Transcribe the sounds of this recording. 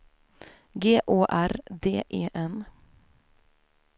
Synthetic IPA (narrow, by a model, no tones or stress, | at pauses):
ɡeːʔoːʔæɾd̪eːʔeːʔɛn